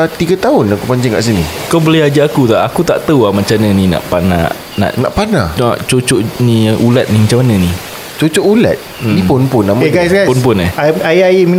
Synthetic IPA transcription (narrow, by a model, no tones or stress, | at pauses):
t̪iɡat̪aʊnakupaɲd͡ʒaŋka̰ʔs̬inikawbəlɛad͡ʒaakut̪aʔakut̪a̰ʔt̪əuamãt͡ʃanənina̰ʔpana̰ | na̰ʔnã̰ʔpana̰naʔt͡ʃot͡ʃoʔniʔulat̪̚nimat͡ʃamanə̃ni | t͡ʃot͡ʃoʔula̰t̪̚ | nĩpʊnpʊnameɡajsɡaspʊnpʊnaajaemin